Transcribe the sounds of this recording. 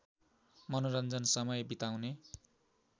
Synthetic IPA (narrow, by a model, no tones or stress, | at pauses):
mʌnoɾʌnd͡zʌnsʌmʌjbit̪awne